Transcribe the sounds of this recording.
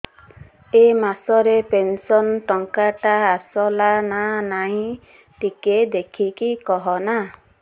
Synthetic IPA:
emasɔɾepensɔnʈɔŋkaʈaːsɔlananaɦĩ | ʈiked̪ekʰikikɔɦɔna

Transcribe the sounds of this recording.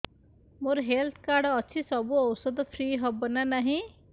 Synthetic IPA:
moɾɦelt̪ʰkaːɾɖətːʃʰisɔbuɔwsəd̪pʰɾiːɦəbənanaɦĩ

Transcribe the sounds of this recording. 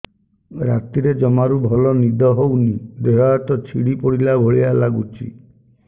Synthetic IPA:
ɾat̪iɾed͡ʒɔmaɾubʱɔlɔnid̪ʱɔɦownid̪eɦaat̪ɔt͡ʃʰḭɽipɔɽilabʱoɭialaɡut͡ʃʰḭ

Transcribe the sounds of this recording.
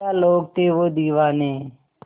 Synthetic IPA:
aːloːɡ̚t̪eːʋoːd̪iːʋaːnẽː

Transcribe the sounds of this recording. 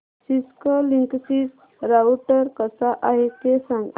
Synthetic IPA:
siskəliŋksis | ɾawʈəɾkəsaʔaɦek̪esãŋɡ

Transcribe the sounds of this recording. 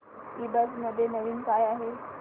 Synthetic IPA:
iːbəsməd̪ʱːjenəʋiːnkaːjaɦe

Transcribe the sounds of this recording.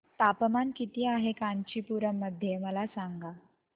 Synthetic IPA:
t̪apəmankit̪iːaɦekaɲt͡ɕiːpuɾəmːəd̪ʱjeməlasaŋɡa

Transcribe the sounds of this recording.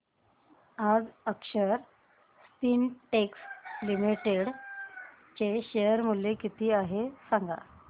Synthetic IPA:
ad͡zəkɕəɾ | st̪iːnʈekslimiʈeɽ | t͡ɕeɕejəɾmulekit̪iːaɦesaŋɡa̰

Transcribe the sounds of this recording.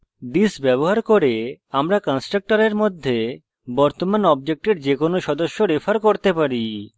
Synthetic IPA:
d̪isbɛβoɦaɾkoɾeamɾakɔnsʈɾak̚ʈaɾeɾmod̪ʱːe | bɔɾt̪omanɔb̚d͡ʑek̚ʈeɾd͡ʑekonoʃɔd̪oʃːoɾefʰaɾkoɾt̪epaɾi

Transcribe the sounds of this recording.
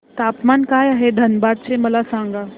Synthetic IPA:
t̪aːpmaːnkaːjaːɦed̪ʱənbaːd̪̚t͡ɕeməlasãŋɡa

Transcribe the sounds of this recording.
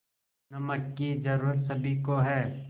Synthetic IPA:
nɐməkːid͡ʒɐɾuːɾət̪sɐbʱikoɦɛː

